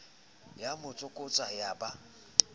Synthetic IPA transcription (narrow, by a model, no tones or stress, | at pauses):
jamʊt͡sʼʊkʼʊt͡sʼajaba